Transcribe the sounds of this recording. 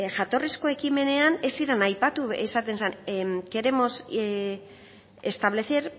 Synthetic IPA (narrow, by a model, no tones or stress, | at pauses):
ʝat̪o̞risko̞e̞kime̞ne̞anesiɾanajpat̪uesat̪e̞nsanke̞ɾe̞mo̞s | e̞st̪aβ̞le̞θeɾ